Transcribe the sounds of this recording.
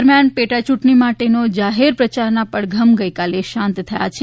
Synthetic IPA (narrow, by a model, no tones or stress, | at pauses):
ɾmjanpeʈat͡ʃuʈɳimaʈenod͡ʒaɦeɾpɾət͡ʃaɾnapəɽɡʱəmɡəjkaleʃãnt̪t̪ʰəja̰t͡ʃʰe